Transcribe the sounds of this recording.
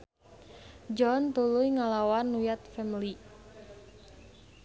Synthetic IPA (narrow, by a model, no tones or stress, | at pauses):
d͡ʒɔnt̪ulujŋalawanːujat̪̚fɛmili